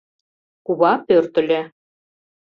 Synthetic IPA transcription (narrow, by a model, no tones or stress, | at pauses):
kuβɑpørt̪ɘ̆lʲĕ